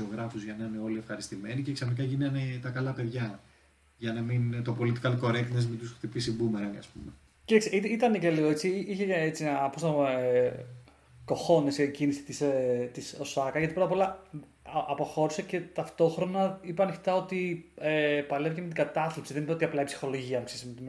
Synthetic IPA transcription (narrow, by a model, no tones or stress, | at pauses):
io̞ɣɾɐfuzʝɐnɐneo̞lie̞fxɐɾist̪ime̞niceksɐθnik̬ɐʝinɐnet̪ɐkɐlɐpe̞ðʝɐ | ʝɐnɐmint̪opo̞lit̪i̥kɐlko̞ɾet̪inezmet̪usxt̪ipisibumeɾɐniɐ̰spume | cet̪ɐksiitit̪ɐnece̞liɣoet͡siiiçeet͡sinɐpost̪ | ko̞xo̞nesiecinisi̥t̪iset̪iso̞sɐkɐʝɐt̪ipɾot̪ɐpo̞lɐ | ɐpoxo̞ɾisece̞t̪ɐft̪o̞xɾo̞nɐipɐnefi̥t̪ɐo̞t̪iepɐlevcemet̪iɡɐt̪ɐθlipsiðenipeot̪iɐplɐipsi̥xo̞lo̞ʝiɐpksisimet̪im